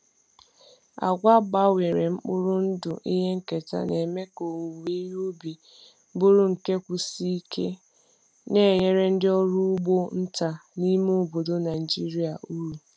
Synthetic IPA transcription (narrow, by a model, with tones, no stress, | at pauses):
a̰˨ɡʷa˦ɡ͡ba˦we˨ɾe˨ŋ͡m̩˦k͡pʊ˦ɾʊ˦n̩˦dʊ˨ʔi˦ɦe˦ŋ̩˦ke˨ta̰˦ne˨me˦ko˨u˨wi˦ju˦bi˨ | bʊ˦ɾʊ˦ŋ̩˨ke˦kʷu˨si˦i˦kʰe˦ | ne˦˨ɲe˦ɾe˦n̩˦dɪ˦ɔ˦ɾu˦ʊ˦ɡ͡bo˦n̩˦ta˨ni˦mo˦˨bo˨do˦na˨i˨d͡ʒi˦ɾi˦a˨ʔu˦ɾu˨